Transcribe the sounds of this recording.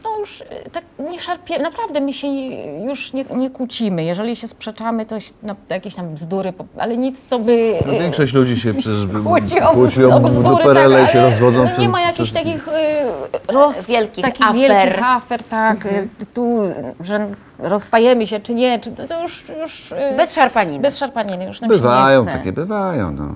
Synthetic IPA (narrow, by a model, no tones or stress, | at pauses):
nɔjuʂt̪ak̚ɲɛʂaɾpʲjɛnapɾavd̪ɛmɘɕɛjuʂɲɛɲɛkwut͡ɕimɘjɛʐɛlʲiɕɛspʂɛt͡ʂamɘt̪ɔɕɛ̥najakʲeɕt̪ambzd̪uɾɘpɔa̰lɛɲit̪st̪sɔbɘnɔvʲjɛŋkʂɔɕt͡ɕlud͡ʑiɕɛpʂɛbwt͡ɕɔkwɔt͡ɕijɔ̃bzud̪uɾpɛɾɛlɛiɕɛɾɔzvɔd̪zɔ̃ɛmajakʲiɕt̪akʲix | ɾɔsvjɛlkʲit̪akʲivʲjɛkʲiɾxafɛɾt̪akt̪uʐɛ | ɾɔsːt̪ajɛmɘɕɛt͡ʂɘɲɛt͡ʂɘt̪ɔjuʂjuʂbɛsʂaɾpaɲinbɛsʂaɾpaɲinɨjuʂnambɘvajɔ̃w̃t̪akʲɛbɘvajɔ̰̃w̃nɔ̰